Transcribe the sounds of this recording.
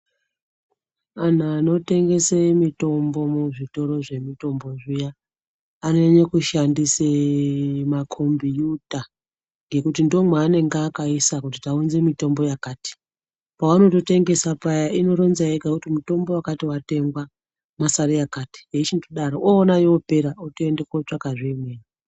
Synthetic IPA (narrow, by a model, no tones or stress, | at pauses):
an̤aːno̞te̞ŋɡe̞semito̞mbo̞muʐito̞ɾo̞ʐe̞mito̞mbo̞ʐijaː | ne̞ɲekuʃandise | makʰombijuta | ŋɡe̞kutindo̞mwaːne̞ŋɡaːkaisakutitaunze̞mito̞mbo̞jakaːti̥ | pawano̞to̞te̞ŋɡe̞sapajaino̞ɾo̞nzaekakutimuto̞mbo̞wakatiwate̞ŋɡwa | masaɾiakaːti̥jeit͡ʃindoɗaɾoʔoːnajoope̞ɾaotoendekot͡ʂakaʐimeːni